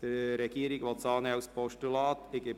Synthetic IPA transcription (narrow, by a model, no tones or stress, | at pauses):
d̪̥əɾɛɡ̥iːəɾɪɡʋɑt͡sɑːnəawspɔʃtulɑːt̪ɪɡe